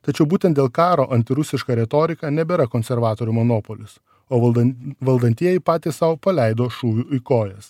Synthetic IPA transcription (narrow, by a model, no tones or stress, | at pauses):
t̪ɐt͡ʃʲɛʊbuːt̪ʲɛnt̪d̪ʲeːlˠkɑːɾoːʔɐnʲt̪ʲɪɾʊsʲɪʃkɐɾʲɛt̪oːɾʲɪkɑːnʲɛbʲeːɾɐkoːnʲsʲɛɾʋɑːt̪oːɾʲumonoːpoːlʲʊs | oːʋɐlˠd̪ɐnʲt̪ʲiɛjɛɪpɑːt̪ʲiːssɑʊpɐlʲɛɪd̪oːʃuːʋʲuːɪkoːjɛs